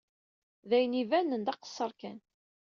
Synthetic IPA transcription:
ðæjnivænənd̪ɑqə̥sˤːəɾˤkæn

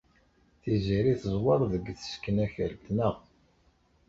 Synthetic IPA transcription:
θiziɾiθəzˤwɑɾˤðəɡθə̥skːənæçəɾt̪nəʁ

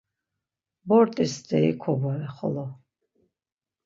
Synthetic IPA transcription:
bɔɾt̪ʼisd̪ɛḭkʰɔbɔɛχɔ̰lɔ

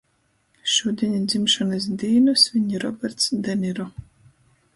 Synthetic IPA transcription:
ʃuːd̪ʲiɲad̪zimʃɔnɨs̬d̪iːnɨsviɲiɾɔbʲɛɾt̪sd̪ɛniɾɔ

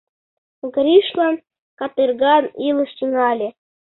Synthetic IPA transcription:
ɡɾʲiʃlɑn | kɑt̪ɨrɡɑnilɤ̆ʃt̪ʲinɑlʲe

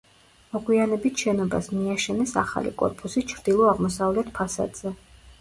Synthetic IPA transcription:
mɔɡwianɛbit̪ʰʃɛnɔba̰smiaʃɛnɛsa̰χa̰lḭkʼɔ̰ɾpʼusit͡ʃʰɾd̪̥ilˠɔaʁmɔsavlɛt̪ʰpʰasa̰d̪z̥ɛ

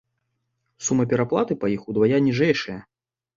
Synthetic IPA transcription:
sumːɐpʲɛɾaplˠat̪ɨpajixud̪vajanʲiʐɛjʂɐjɐ

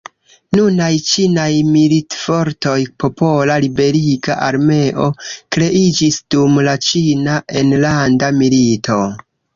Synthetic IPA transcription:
nunajt͡ʃinajmilitfo̞ɾto̞jpo̞po̞lalibe̞ɾiɡaʔaɾme̞ʔo̞kɾe̞ʔid͡ʒisd̥umlat͡ʃinaʔe̞nlandamilitʰo̞

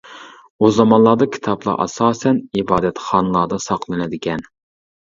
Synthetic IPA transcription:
uzɑmɑnlˠɑːd̪ɑkʲʰi̥t̪ʰɑblˠɑ̰ʔɑ̰sɑːsɛnibɑːd̪ɛt̪χɑnɨlˠɑːd̪ɑsɑqlˠɨnɪd̪ɪkʲɛn

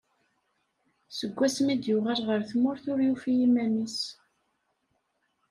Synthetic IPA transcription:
səɡʷːæsmid̪jʊʁæɾʁəɾθmʊɾθʊɾjufijimæmis

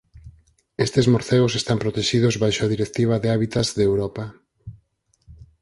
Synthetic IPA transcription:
est̪ezmoɾθeʊsest̪ampɾot̪eʃið̞ʊzβajʃʊaðiɾekt̪iβ̞ɐðeaβit̪azðewɾɔpa

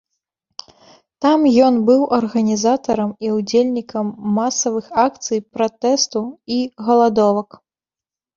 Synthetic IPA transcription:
t̪amjɔnbɨwʔɐrɣɐnʲizat̪ɐɾɐmiud͡zʲelʲnʲikɐmːasɐvɨxakt̪sɨjpɾat̪ɛst̪uiɣɐlˠad̪ɔvɐk

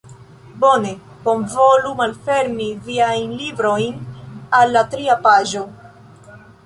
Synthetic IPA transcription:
bo̞ne̞ | bo̞nvo̞lumalfe̞ɾmiviajnlibɾo̞jnalːatɾiapaʒo̞

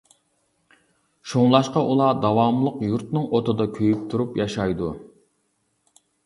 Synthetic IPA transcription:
ʃoŋlˠɑʃqɑʔulˠɑd̪ɑwɑmlˠəqjuɾt̪nɨŋot̪ʰɨd̪ɑkʲʰøjyp̚t̪ʰuɾupjɑʃɑjd̪u

